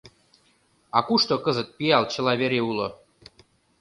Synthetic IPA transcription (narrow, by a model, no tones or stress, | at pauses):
ɑkuʃt̪okɤzət̪̚piɑlt͡ɕə̆lɑβeɾeulo̰